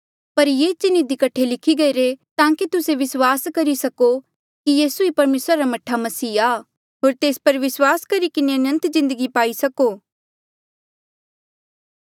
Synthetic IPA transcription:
pɐɾjeːt͡ʃɪnid̪ɪkɐʈʰːelɪkʰiɡɐiɾet̪ãːkit̪ʊseʋɪswaːskɐɾisɐko | kijiːsuipɐɾmeːsɾaɾamɐʈʰːamɐsiːaː | ɦoːɾt̪eːspɐɾʋɪswaːskɐɾikɪneɐnə̃nt̪zɪ̃nd̪əɡipaːisɐkoː

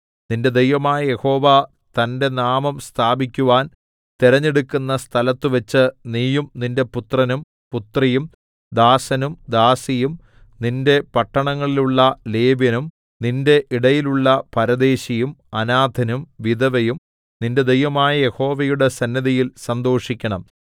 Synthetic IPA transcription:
ninde̞d̪ejʋɐmaːjɐje̞ho̞ːʋa | t̪ɐnde̞naːmɐmst̪ʰaːbikʲːuʋaːn | t̪iɾɐɲːeɽukʲːunːɐst̪ʰɐlɐt̪ːɨʋɐt͡ɕːɨniːjumninde̞put̪rɐnum | put̪rɐjum | d̪aːsɐnumd̪aːsijum | ninde̞pɐʈːɐɳɐŋːɐɭiluɭːɐle̞ːbjɐnum | ninde̞ʔiɽɐjiluɭːɐpɐɾɐd̪e̞ːɕɐjumɐnaːd̪ʱɐnumʋid̪ɐʋɐjum | ninde̞d̪ejʋɐmaːjɐje̞ho̞ːʋɐjuɽe̞sɐnːɐðɐjilsɐnd̪o̞ːʂikʲːɐɳɐm

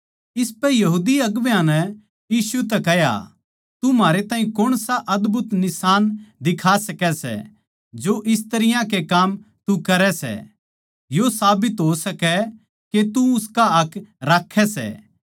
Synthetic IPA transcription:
ɪspɛ̃jɐɦuːd̪iɐɡʋjãnɛ | jiːsut̪̬ɛkɛɦja̰ | t̪umaːɾet̪aːɦĩkʊɽ̃saʔɐd̪bʱʊt̪nɪsaːnd̪ɪkʰaːsɐkɛsɛ̰ | d͡ʒoʔɪs̬t̪ɐɾɪjãkekaːm | t̪ukɐɾɛsɛ̰ | josaːbɪt̪ɦosɐkɛ | ket̪uʊskaɐkʰɾaːkʰːɛsɛ̰ː

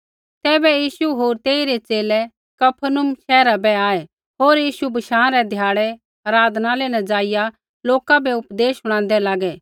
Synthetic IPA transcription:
t̪ɛːbɛjiːsuɦoːɾt̪eːiɾet͡ʃeːlɛ | kɐpʰənʊmʃɛːɾabɛaːɛ | ɦoːɾjiːʃubɐʃãːɾɛd̪ʱjaːɽɛ | aɾaːd̪ʱnalenɐd͡ʒaːɪja | loːkabɛʊpd̪eːsɦʊɽ̃ãːnd̪ɛlaːɡɛ

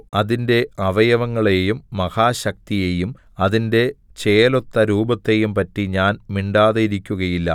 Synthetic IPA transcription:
ɐðinde̞ɐʋɐjɐʋɐŋːɐɭe̞jumːɐhaːɕɐk̚t̪ije̞jum | ɐðinde̞t͡ɕe̞ːlo̞t̪ːɐɾuːbɐt̪ːe̞jumpɐtːiɲaːnmiɳɖaːðɐiɾikʲːuɣɐjilːɐ̰

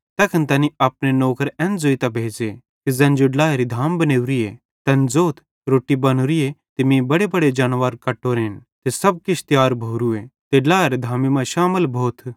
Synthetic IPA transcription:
t̪ɛːkʰənt̪ɐniaːp̚nenoːkəɾɛ̃ːnd͡zoːit̪abʱeːd͡ʒe | t̪ezɛ̃ːnd͡ʒoɖlaːeɾid̪ʱaːmbɐneːuɾije | t̪ɐ̃nd͡zoːt̪ʰ | ɾoːʈːibɐnuɾiet̪ɪmĩbɐɽebɐɽed͡ʒaːnʋaːɾkɐʈːoːɾeːnt̪esɐb̚kɪt͡ʃʰt̪jaːɾbʱoːɾuet̪eɖlaːeɾd̪ʱaːmimãʃaːməlbʱoːt̪ʰ

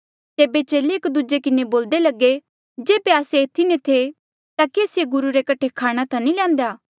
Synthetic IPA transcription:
t̪eːbet͡ʃeːleeːkd̪ud͡ʒekɪneboːld̪elɐɡe | d͡ʒeːbeaːseːt̪ʰinẽt̪ʰe | t̪akeːsjeɡʊɾuɾekɐʈʰekʰaːɽ̃at̪ʰãnĩlɛ̃ːnd̪jaː

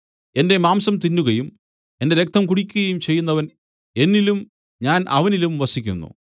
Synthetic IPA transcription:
e̞nde̞maːmsɐmt̪inːuɣɐjum | e̞nde̞ɾe̞k̚t̪ʰɐmkuɽikʲːuɣɐjumt͡ɕe̞jːunːɐʋɐn | e̞nːilum | ɲaːnʔɐʋɐnilumʋɐsikʲːṵnːṵ

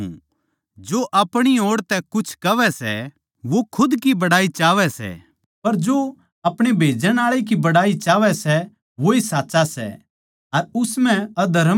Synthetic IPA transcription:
d͡ʒoʔɐpɽ̃ioːɽt̪ɛkʊt͡ʃʰkɐʋɛsɛ̰ | ʋokʰʊd̪kibɐɽaːit͡ʃaːʋɛsɛ̰ː | pɐɾd͡ʒoː | ɐpɽ̃ebʱeːd͡ʒəñaːɭek̬ibɐɽaːit͡ʃaːʋɛsɛ | ʋoisaːt͡ʃasɛ̰ | ɐɾʊsmɛ̃ɐd̪ʱɐɾə

